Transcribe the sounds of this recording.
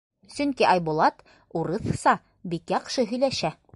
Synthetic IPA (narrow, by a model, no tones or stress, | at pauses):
sɵŋkiʔɑjbulˠɑt̪ | uɾɤθsɑ | bikjɑqʃɤɦɵ̆jlæʃæ